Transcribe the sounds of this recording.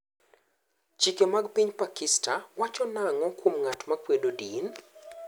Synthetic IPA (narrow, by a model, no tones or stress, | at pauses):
t͡ʃikemaɡpiɲpakɪstawat͡ʃɔnaŋɔkwomŋatmakwedodin